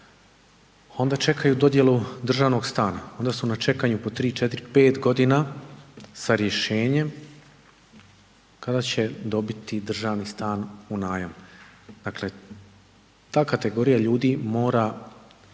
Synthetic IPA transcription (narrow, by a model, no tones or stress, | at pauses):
o̞nd̪at͡ʃe̞kajud̪o̞d̪je̞lud̪r̩ʒaːʋno̞ɡst̪aːnao̞nd̪asunat͡ʃe̞kaɲupo̞t̪ɾiːt͡ʃe̞t̪iɾpe̞ːt̪ɡo̞d̪ina | saɾje̞ʃe̞ːɲe̞m | kad̪at͡ɕe̞d̪o̞bit̪id̪r̩ʒaːʋnist̪aːnunaːjamd̪̥akle̞ | t̪aːkat̪e̞ɡo̞ɾijaʎuːd̪imo̞ːɾa